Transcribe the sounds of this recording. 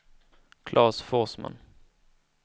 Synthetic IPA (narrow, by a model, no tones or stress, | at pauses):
kʰlʔɑːsfɔsma̰n